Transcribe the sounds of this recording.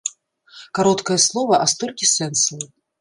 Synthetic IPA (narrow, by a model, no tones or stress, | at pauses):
kaɾɔt̪kɐjɐslˠɔvɐʔast̪ɔlʲkʲisɛnslɨ